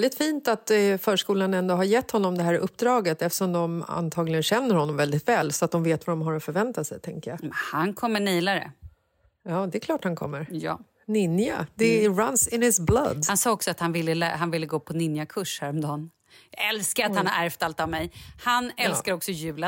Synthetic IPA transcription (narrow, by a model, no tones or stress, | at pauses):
ld̪ɪt̪fiːnt̪at̪fœːʂkuːlanɛnd̪oɦaɾjɛt̪ːhɔnːɔmd̪ɛɦæːɾʔɵpːd̪ɾɑːɡət̪ɛft̪əʂɔmd̪ɔma̰nt̪ʰɑːɡlɪɡənɕɛnːəɾhɔnːɔmvɛld̪ɪt̪vɛːlsɔat̪̚d̪ɔmveːt̪vadɔmɦaɾɔfœɾvɛnt̪asɛjt̪ʰɛŋkəjamɛhankʰɔmːəɳiːlaɾə̰ | jɑːd̪ɛkʰlɑːʈhankʰɔ̰mːəɾjɑ̰ː | nɪnja̰d̪ɛɾansɪnhɪsblad̪hansɑːɔksɔat̪hanvɪlːəlɛ̰ɦanvɪlːəɡoːpʰɔnɪnjakʰɵʂhæɾɔmd̪ɑːn | ɛlskaɾat̪hanhaæɾft̪alt̪avmɛjhanɛlskaɾɔksɔjʉ̟ːla